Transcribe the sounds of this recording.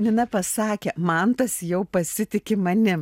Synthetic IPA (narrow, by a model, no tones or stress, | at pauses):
nʲɪnɐpɐsɑːkʲeːmɐnt̪ɐsjɛʊpɐsʲɪt̪ʲɪkʲɪmɐnʲɪ